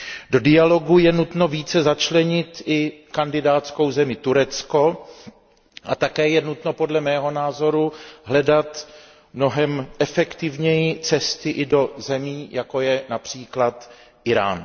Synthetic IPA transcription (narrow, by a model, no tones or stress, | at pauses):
do̞dɪjalo̞ɡujɛnut̪no̞viːt͡sɛzat͡ʃlɛɲɪt̪ʔɪkandɪdaːt̪sko̞wzɛmɪt̪uɾɛt͡sko̞ | ʔa̰t̪akɛːjɛnut̪no̞po̞dlɛmɛːɦo̞naːzo̞ɾuɦlɛdat̪ | mno̞ɦɛmʔɛfɛkt̪ɪvɲɛjɪt͡sɛst̪ɪʔɪdo̞zɛmiːjako̞jɛnapr̝̥iːklat̪ | ʔɪɾa̰ːn